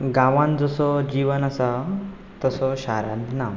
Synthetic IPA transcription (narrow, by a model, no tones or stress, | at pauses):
ɡãʋãnd͡zəsɔd͡ʑiʋənasa | t̪əsɔɕaɾã̰d̪na